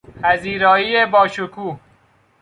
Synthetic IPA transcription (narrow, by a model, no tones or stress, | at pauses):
hæziːɾɒːiːebɒːʃokʰuː